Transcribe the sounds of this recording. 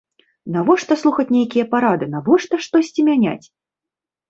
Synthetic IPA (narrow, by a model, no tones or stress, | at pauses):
navɔʂt̪ɐslˠuxɐt͡sʲnʲejkʲijɛpaɾad̪ɨnavɔʂt̪ɐʂt̪ɔsʲt͡sʲimʲanʲa̰t͡sʲ